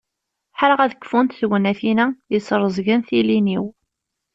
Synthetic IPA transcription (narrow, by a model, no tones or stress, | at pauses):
ħəɾəʁæðəkːfunt̪θɡnæθinæjəsˤɾˤəzˤɣənθiliniw